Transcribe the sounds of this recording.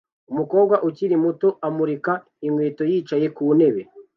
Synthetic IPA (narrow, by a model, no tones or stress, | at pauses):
umuko̞ːb̚ɡwaʔuciɾimuto̞ʔamuɾika | iŋweːto̞jiːt͡ʃaje̞kuːne̞βe̞